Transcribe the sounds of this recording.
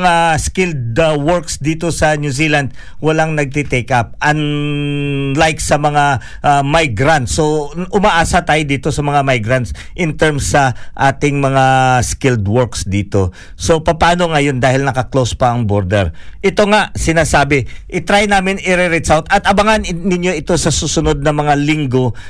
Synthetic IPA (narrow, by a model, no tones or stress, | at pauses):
ŋaskɪld̪̚wɔɹksd̪iːt̪o̞sɐnjusiːland̪̚ | wɐlaŋnɐɡ̚t̪it̪ɛkʔap̚ʔɐn | lajksɐmɐŋa | ʔamajɡɾant̪soʔʊmaʔaːsɐt̪aːjod̪iːt̪o̞sɐmɐŋamajɡɾɐnt̪s | ʔɪnt̪ɛɹmsːɐʔaːt̪ɪŋmɐŋaskɪld̪wɔɹksd̪iːt̪o̞ | so̞pɐpaːno̞ŋɐjo̞nd̪aːhɪlnɐkɐklospɐʔɐŋboɾd̪ɛɹʔɪt̪o̞ŋaʔsɪnaːsaːbɪʔɪt̪ɾajnaːmɪnɪɾɛɾɛsawt̪ɐt̪ɐbɐŋannɪnjo̞ʔɪt̪o̞sɐsuːsʊno̞d̪̚nɐmɐŋalɪŋɡo̞